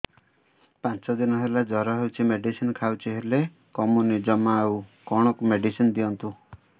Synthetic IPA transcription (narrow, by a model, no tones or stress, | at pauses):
pãt͡ʃɔd̪inɔɦelad͡ʒɔɾɔɦewt͡ʃʰimeɖisinkʰawt͡ʃʰiɦele | kɔmunid͡ʒɔmaukɔɽ̃ɔkumeɖisinɔd̪iɔnt̪u